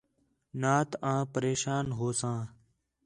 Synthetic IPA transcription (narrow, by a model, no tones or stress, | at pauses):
naːt̪ãːpəɾeːʃaːnɦoːsãː